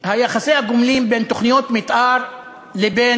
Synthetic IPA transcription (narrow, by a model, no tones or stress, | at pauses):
hajaxasimhaɡomliːmbeːnt̪oχnijot̪mɪt̪ʔaɾ | lebeː